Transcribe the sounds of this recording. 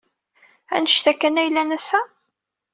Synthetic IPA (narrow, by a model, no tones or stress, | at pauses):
æ̰nəʃθækːænæjlːænæsæ